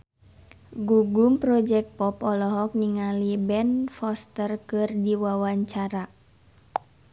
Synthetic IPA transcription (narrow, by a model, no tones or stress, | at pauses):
ɡuɡumpɾɔd͡ʒɛk̚t̪̚pɔpɔlɔɦɔk̚niŋalibɛnfɔst̪ərkɨrdiwawaɲt͡ʃaɾa